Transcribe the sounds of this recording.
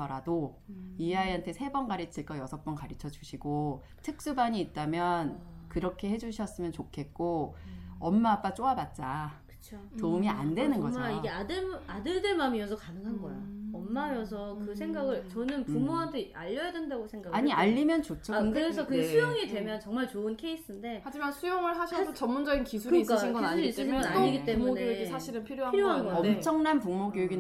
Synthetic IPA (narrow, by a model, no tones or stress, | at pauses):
ʌɾado | iaeɦantʰe̞sʰe̞bʌnɡaɾit͡ɕʰiɭk͈ʌjʌsʰʌp̚p͈ʌnkaɾit͡ɕʰʌd͡ʑuɕʰiɡo | tʰɯk̚s͈ubaɲiːt̚t͈amjʌnkɯɾʌkʰe̞he̞d͡ʑuɕʰʌs͈ɯmjʌnt͡ɕokʰe̞t̚k͈o | ʌmːaːp͈at͡ɕ͈oabat̚t͡ɕ͈akɯ̥t͡ɕʰotoumiandwe̞nɯnɡʌaiɡeadɯɭadɯɭdeɭmamiʌs̬ʰʌkanɯŋɦanɡʌjaʌmːajʌs̬ʰʌkɯs̬ʰe̞ŋɡaɡɯɭt͡ɕʌnɯnpumoɦamtʰea̰ʎːʌjadendaɡosʰe̞ŋɡaɡaɲiaʎːimjʌnt͡ɕot͡ɕʰakɯɾe̞sʰʌkɯɡesʰujoŋidwe̞mjʌnt͡ɕʌŋmaɭt͡ɕoɯnkʰe̞is͈ɯnde̞had͡ʑimansʰujoŋɯɭsaɕʰsʰot͡ɕʌmːund͡ʑʌɡinkisʰukɯk͈ainɡʌaɲʰiɾis͈ɯɕʰɡʌnaiɡit͈emuneisʰaɕʰiɾɯnpʰiɾjoɦapiɾjoɦanɡʌmt͡ɕʰʌŋnanpuŋmoɡoɡi